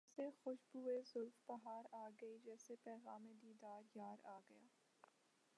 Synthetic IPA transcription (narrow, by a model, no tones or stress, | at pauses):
sexʊʃbuːezʊlfbɐɦaːɾaːɡɐid͡ʒɛːsepɛːɣaːmẽd̪iːd̪aːɾjaːɾaːɡɐjaː